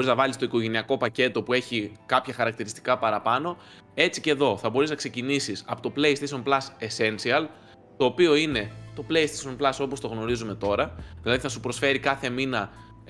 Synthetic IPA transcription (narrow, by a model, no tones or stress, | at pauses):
ɾiznɐvɐlist̪o̞iko̞ʝe̞niɐko̞pɐce̞t̪o̞pue̞çikɐpçɐxɐɾɐk̚t̪iɾist̪i̥kɐpɐɾɐpɐno̞ | e̞t͡sice̞ðo̞θɐbo̞ɾiznɐkse̞cinisisɐpo̞t̪o̞ple̞jst̪eso̞nplɐsese̞nsiɐl | t̪o̞ːpio̞ine̞t̪o̞ple̞jst̪eso̞nplɐso̞po̞st̪o̞ɣno̞ɾizume̞t̪o̞ɾɐðilɐðiθɐsupɾo̞sfe̞ɾikɐθe̞minɐ